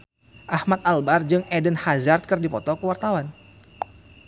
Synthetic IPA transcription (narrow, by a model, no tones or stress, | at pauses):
ʔahmat̪̚albard͡ʒɨŋɛdənhazart̪̚kɨrdipɔt̪ɔkəwart̪awan